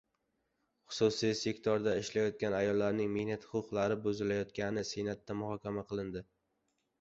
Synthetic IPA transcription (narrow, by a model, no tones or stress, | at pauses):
χʊ̥sʊsijse̞kt̪ʰɒɾd̪aɪʃlajɒt̪̚kʲanajɒlˠːaɾnɪŋmehnat̪χʊʊqlˠaɾɪbʊzɪlajɒt̪̚kʲanɪsenat̪ːamʊhɒkʲamaqʰɨlˠɪnd̪ɪ